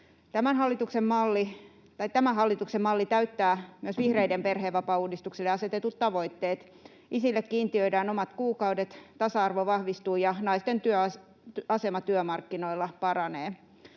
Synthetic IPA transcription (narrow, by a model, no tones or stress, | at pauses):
t̪æmænhɑlːit̪uksemmɑlːi | t̪ɑit̪æmæɦɑlːit̪uksemmɑlːit̪æyt̪ːæːmyøsʋihreidemperheːʋʋɑpɑuːdist̪ukselːeɑset̪et̪ut̪t̪ɑʋoit̪ːeːt̪ | isilːekkiːnt̪iøidæːnomɑt̪kuːkɑwdet̪t̪ɑsɑɑrʋoʋɑhʋist̪uːjɑnɑist̪ent̪yø | ɑsemɑt̪yømɑrkːinoilːɑpɑrɑneː